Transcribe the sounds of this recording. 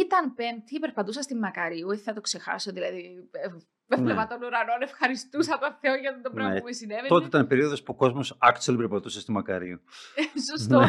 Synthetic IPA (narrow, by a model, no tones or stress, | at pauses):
it̪ɐnpemt̪ipeɾpɐt̪us̬ɐst̪imːɐkɐɾiueiθɐt̪okse̞xɐ̰soðilɐði | pevnlevɐt̪onuɾɐno̞nefxɐɾist̪usɐt̪oθeoʝɐt̪ind̪opɾɐeumesinevet̪ot̪eit̪ɐnpe̞ɾio̞ðo̞spuoko̞zmo̞sɐkselipeɾpɐt̪usest̪imːɐkɐɾiusostnoe